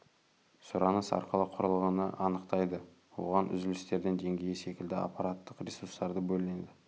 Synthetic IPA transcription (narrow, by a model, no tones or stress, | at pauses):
sʊɾɑnəsɑ̰ɾqəlˠəqʰʊɾəlˠʁənəʔɑnəqt̪ɑjd̪ə | wo̞ʁɑnʔʏ̰zɪlɪst̪e̞ɾd̪e̞nd̪e̞ŋɡʲe̞jɪse̞kʲɪld̪ɪa̰pːɑɾat̪ːəqrʲesurst̪ɑɾd̪əbɵlɪnend̪ɪ